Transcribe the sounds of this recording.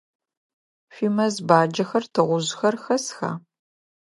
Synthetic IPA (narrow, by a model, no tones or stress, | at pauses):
fiːmɐzbaːd͡ʒɐxɐrtʰɨʁʷʊʑxɐrxɐsxa̰ː